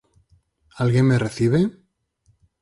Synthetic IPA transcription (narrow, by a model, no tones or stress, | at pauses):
alɣjenmereθiβ̞e